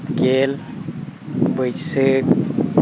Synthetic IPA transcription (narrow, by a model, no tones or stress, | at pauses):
ɡel | bəjsek